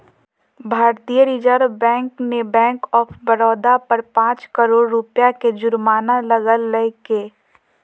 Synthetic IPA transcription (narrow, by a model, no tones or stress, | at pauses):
bʱaːɾt̪iːjəɾiːd͡ʒəɾbɛ̃ːŋknebɛ̃ːŋkɔːpʰbɐɾɔːd̪apɐɾpãːt͡ʃkəɾoːɾːʊpjaked͡ʒʊɾmaːnalɐɡəlːəɦkeː